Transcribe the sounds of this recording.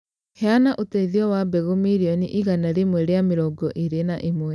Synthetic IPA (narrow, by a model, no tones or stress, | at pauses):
hɛanaʔotɛiðiɔwabɛɣomiɾiɔniʔiɣanaɾemwɛɾeameɾɔːɡɔʔeɾenaʔemwɛ